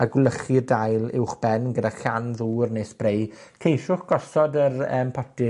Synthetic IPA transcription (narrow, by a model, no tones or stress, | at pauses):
aɡwlˠəχɪrdajlˠɪ̰wχb̥ɛnɡədaɬanðuːrneːsb̥rejkʰejʃʊχɡ̥ɔsɔdərə̰ːmpʰɔtɪ